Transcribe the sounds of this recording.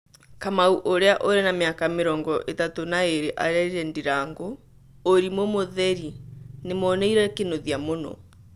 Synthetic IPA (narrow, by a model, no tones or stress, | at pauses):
kamauʔoɾeaʔoɾenameakameɾɔŋɡɔʔetatonaeɾeʔa̰ɾɛiɾɛndiɾaŋɡo | oɾimomoðɛɾinemɔːnɛiɾɛkenoðjamonɔ̰